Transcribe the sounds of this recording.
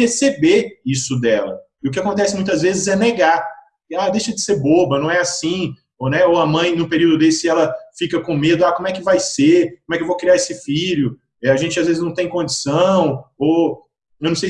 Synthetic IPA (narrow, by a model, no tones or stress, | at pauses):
esebeisʊd̪ɛlɐ̰ | ɪʊk̬ɪakõnt̪ɛsɪmũj̃t̪ɐzvezɪzɛneɡa | ad̪ejʃɐd͡ʒɪseɾbobɐnɐ̃w̃ɛasĩ | onɛowɐmɐ̃j̃nũpeɾiwd̪ʊd̪esɪɛlɐfikɐkõmed̪ʊakõmʊɛkɪvajsekõmʊɛkɪewvokɾiaɾesɪfiʎʊ | ɛaʒẽt͡ʃɪazvezɪznɐ̃w̃t̪ẽj̃kõd͡ʒisɐ̃w̃o | ewnɐ̃sej